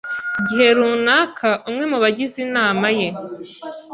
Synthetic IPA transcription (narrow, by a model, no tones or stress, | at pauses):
ɟiɦe̞ɾuːnaːkʰaʔumŋe̞muβaɟizinaːmaje̞